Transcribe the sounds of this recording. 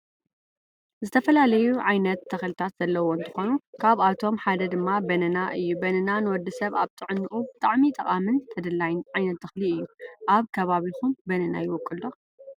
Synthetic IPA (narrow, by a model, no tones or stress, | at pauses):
zɨt̪ʰɐfɐlalɐjuʕajnɐt̪ʰːɐxlɨt̪ʰat̪z̥ɐlːɐwoɨnt̪ʰɨ̥xo̞nukʰaβat̪ʰo̞mħad̪ɐd̪ɨmːabɐnɐnaʔɨjːubɐnɐnanɨwɔd̪ːɨsɐβaβt̪ʰɨʕɨnːɨʔubɨt̪ʼaʕmit̪ʼɐqʼamɨnt̪ʰɐd̪ɨlːajnʕajnɐt̪ʰːɐxliɨjːuʔaβkʰɐβaβixumbɐnɐna̰jɪwɔkʼːɨldo